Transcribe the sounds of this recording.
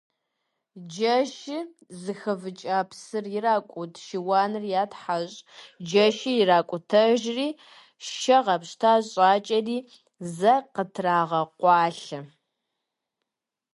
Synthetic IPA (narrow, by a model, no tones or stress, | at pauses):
d͡ʒɐʃɪ | zɨxɐvɨt͡ʃʼaːpʰsɨrjɪraːkʷʼʊtʰʃiwɑːnɨrjaːtħaɕʼd͡ʒɐʃɪjɪraːkʷʼʊtʰɐʒriː | ʃɐʁɐpɕtʰaːɕʼaːt͡ʃʼɐdiː | zɐqətʰraːʁɐqʷɑːɬɨ